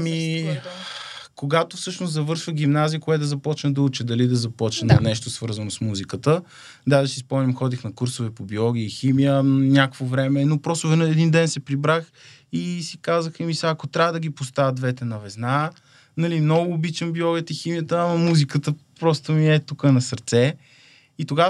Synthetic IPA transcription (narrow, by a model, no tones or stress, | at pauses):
mi | koɡat̪ofsɤʃnoszɐvɤɾʃvəɡimnazijəkoɛt̪ʊzɐpɔt͡ʃnəd̪ɐut͡ʃɛd̪ɐlid̪ɐzɐpɔt͡ʃnənɐnɛʃt̪osvɤɾzɐnosmuzikət̪ə | d̪ad̪ɐsispɔmnʲimxɔd̪ixnɐkuɾsovɛpobiɔɡiiximijənʲakvovɾɛmɛnopɾɔsʊvɛnɐɛd̪ind̪ɛnsɛpɾibɾax | isikazəxɛmisaːkot̪ɾʲavɐd̪ɐɡʲipost̪avʲət̪̚d̪vɛt̪ɛnɐvɛzna | nɐlimnɔɡʊːbit͡ʃəmbiɔɡʲət̪əiximijət̪əamɐmuzikət̪əpɾɔst̪omiɛt̪ukənɐsəɾt̪sɛ | it̪oɡa